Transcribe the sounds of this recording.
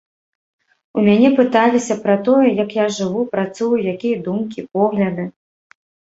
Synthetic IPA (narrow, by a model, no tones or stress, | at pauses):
umʲanʲɛpɨt̪alʲisʲɐpɾɐt̪ɔjɛjɐkjaʐɨvupɾat̪sujujakʲijɐd̪umkʲipɔɣlʲɐd̪ɨ